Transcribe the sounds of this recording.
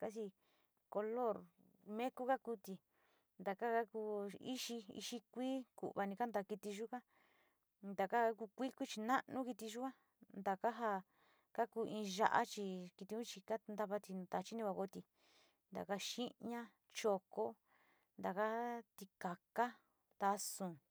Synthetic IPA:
ka˦t͡ʃi˧ | ko˧lo˦˨ɾ | mẽ˦ku˦ka˦ku˧t̪i˧ | nd̪a˨ka˦ka˦ku˧ḭ˦ʃi˧ḭ˧ʃi˦kʷiː˦kṵ˨ʔβa˧nĩ˧ka˦nd̪a˧ki˧t̪i˧ʒu˦ka˦ | nd̪a˨ka˦a˦ku˧kʷi˦kʷi˦t͡ʃi˧nã˦nũ˦ki˧t̪i˧ʒu˦ka˦ | nd̪a˨ka˦ɦa˧ | ka˦kuː˧ʔĩː˧ʒa̰˧ʔa̰˦t͡ʃi˧ki˧t̪i˧ũ˦t͡ʃi˧ka˦nd̪a˧βa˧t̪i˧nũ˧t̪a˨t͡ʃi˦nĩ˧kʷa˧ko˧t̪i˧ | nd̪a̰˨ka˦ʃĩ˦ɲã˦ | t͡ʃo˧ko˦ | nd̪a˨ka˦t̪i˧ka˨ka˦ | t̪a˧sũ˨

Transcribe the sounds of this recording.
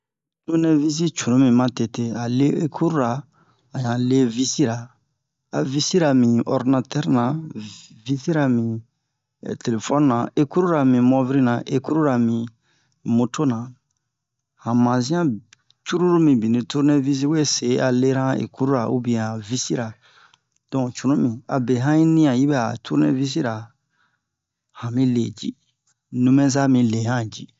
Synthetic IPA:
tu˦nɛ˦vi˦s̬i˦t͡ʃu˨ɾũ˦mĩ˨mã˦te˨te˦a˨le˦e˦kʰu˦ɾu˦ɾaː˨ | ɲã˨le˦vi˦si˦ɾa˨ | a˨vi˦si˦ɾa˨mĩ˨ɔ̰˦ɾdi˦na˧tɛ˦ɾnã˨ | vi˦si˦ɾa˨mḭ̃˨ | te˨le˨fɔ˦n˦nã˨e˦ku˦ɾu˦ɾa˨mĩ˨mɔ˦vi˦ɾi˦nã˨ʔe˦ku˦ɾu˦ɾa˨mĩ˨ | mo˨to˦nã˨ | hã˨mã˨zĩ˦ã˦ | t͡ʃu˦ɾu˦ɾu˦mĩ˨bi˨nĩ˨tu˦ɾne˦vi˦s̬i˦we˦se˨˦a˨le˦ɾã˦ḛ˨ku˦ɾu˦ɾa˨u˦bĩ˨ã˨vi˦si˦ɾa˨ | d̥ɔ̃˨t͡ʃu˨nũ˦mĩ˨a̰˨be˨ɦã˦i˦nĩ˦ã˨ji˦bɛ˦a˨tʰu˦ɾnɛ̰̃˦vi˦s̬i˦ɾa˨ | hã˨mĩ˦le˨d͡ʒḭ˦ | nũ˨mɛ̃˦za˦mĩ˨le˨hã˦d͡ʒḭ˦

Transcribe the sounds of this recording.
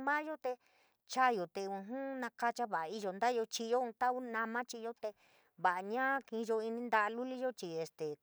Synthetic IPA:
mã˦ʒo˦t̪e˧ | t͡ʃa˦˨jo˨t̪e˧ũ˧ɦũ˦nã˧ka˦t͡ʃa˦βa˨ʔa˨˧i˦ʒo˧nd̪a˦jo˧t͡ʃi˧jo˦ũ˧t̪a˦u˦nã˧mã˦t͡ʃi˧jo˦t̪e˧ | βa˨ʔa˧ɲã˦kĩ˧ʒo˧i˧nĩ˦nd̪a˧ʔa˧lu˦li˦ʒo˦t͡ʃi˨e˨st̪e˨

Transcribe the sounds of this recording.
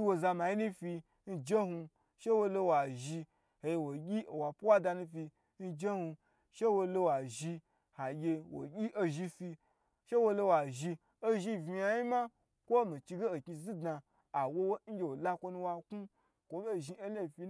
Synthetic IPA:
wo˧za˧ma˨ji˦nu˦fi˧ | n̩˦d͡ʒe˦hu˧ | ʃe˦wo˧lo˧wa˨ʒi˧ | he˨je˧wo˨ɡʲi˦o˨wa˨pu˦wa˦da˧nũ˧fi˧ | n̩˦d͡ʒe˦hu˧ | ʃe˦wo˧lo˧wa˨ʒi˧ | ha˨ɡʲe˧wo̰˨ɡʲi˦ʔo˧ʒi˧fi˧ | ʃe˦wo˧lo˧wa˨ʒi˧ | o˦ʒi˧vi˧ja˧˦ji˦ma˦ | kʷo˦mi˨t͡ʃi˧ɡe˦o˨kʲi˧zi˦dnaː˧˨ | wo˧wo˦n̩˦ɡʲe˨wo˨la˧kʷo˧nũ˧wa˧ku˦ | kʷo˨me˦˨ʒi˧e˦le˦˨fi˧

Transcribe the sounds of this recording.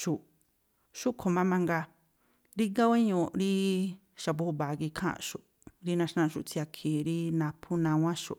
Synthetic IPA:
ʃu˨ʔ | ʃu˦kʰo˨˧mã˧mã˧ŋɡa˧ | ɾi˦ŋɡa˦we˦ɲũ˧˨ɾi˦ | ʃa˨βu˧˦u˧βa˨ki˧kʰã̰˦˨˧ʃu˨ | ɾi˦nã˧ʃnã˧˨ʃu˨t͡si˧a˧kʰi˨ɾi˦nã˧pʰu˦nã˧wã˦ʃṵ˨

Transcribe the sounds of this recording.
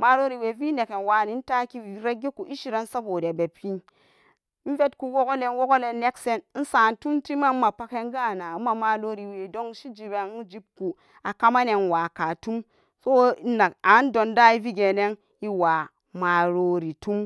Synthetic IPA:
ma˨ɾo˦ɾi˨we˨vi˦ne˨ke˨nwa˨ni˨˦n̩˦ta˦ki˦vi˨ɾe˦ɡe˦ku˨ʔi˦ʃi˦ɾa˦n̩˦sa˦bo˨de˨be˨pi˦n˦ | n̩˦ve˦tku˦wo˦ɡo˦le˦n˦wo˦ɡo˦le˨ne˦kse˦n˦n̩˦sa˨n˨tu˦mti˦ma˦ma˨pa˦ke˦ŋ˦ɡa˦˨na˨˦ma˨ma˨lo˦ɾi˨we˨do˦ŋ˦ʃi˦d͡ʒi˨be˨n˦d͡ʒi˦b̚ku˨ | a˨ka˦ma˦ne˨nwa˨ka˨tu˦m | so˦na˨a˨˦n˦do˨nda˦i˦vi˦ɡe˨ne˦ŋ | i˦wa˨ | ma˨ɾo˨ɾi˨tu˦m

